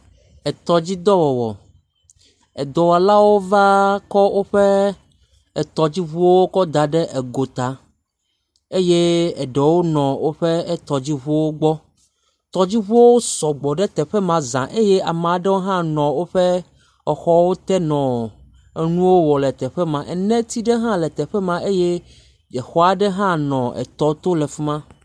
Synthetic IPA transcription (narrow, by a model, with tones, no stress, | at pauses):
ɛ˨t̪ɔ˨d͡ʑi˦d̪ɔ˦wɔ˨wɔ̰˨ | ɛ˨d̪ɔ˨wa˨la˦wo˦va˦kɔ˦wʔo˦ɸe˦ | ɛ˨t̪ɔ˨d͡ʑi˦βu˦o˦wo˦kɔ˦d̪a˨ɖɛ˦ʔɛ˨ɡo˨t̪a˨ | e˦je˦ɛ˨ɖɛ˨wo˦nɔ̃˨wo˦ɸe˦ɛ˦t̪ɔ˨d͡ʑi˦βu˦wo˦ɡ͡bɔ˦ | t̪ɔ˨d͡ʑi˦βu˦o˦wo˦sɔ˨ɡ͡bɔ˨ɖɛ˦t̪ɛ˨ɸɛ˦mã˨zã˨ʔe˦je˦ʔa˨m̃˨ɖɛ˦wo˦ɦã˦nɔ̃˨wo˦ɸɛ˦ | ɔ˨xɔ˦wo˦t̪ɛ˦nɔ̃˨ | ɛ˦nũ˦wo˦wɔ˨lɛ˨t̪ɛ˨ɸɛ˦mã˨ʔɛ˨nɛ̃˦t̪i˦ɖɛ˦ɦã˦lɛ˨t̪ɛ˨ɸɛ˦mã˦ʔe˦je˦ | d͡ʒɛ˨xɔ˦a˨ɖɛ˦ɦã˦nɔ̃˨ɛ̰˨t̪ɔ˦t̪o˦lɛ˨fi˦mã˦